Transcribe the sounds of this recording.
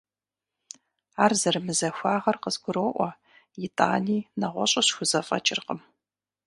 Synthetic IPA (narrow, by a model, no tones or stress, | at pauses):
aːrzɐrmɨzɐxʷaːʁɐrqəzɡʷʊɾoːʔʷɐ | jɪtʼa̰ːniːnɐʁʷɔ̰ɕʼɐɕxʷʊzɐfʼɐ̰t͡ʃʼɪrqəm